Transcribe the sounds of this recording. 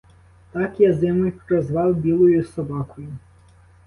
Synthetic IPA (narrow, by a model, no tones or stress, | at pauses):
t̪ɑkjazɪmɔjpɾɔzʋɑwbʲilˠɔjʊsɔbɑkʊjʊ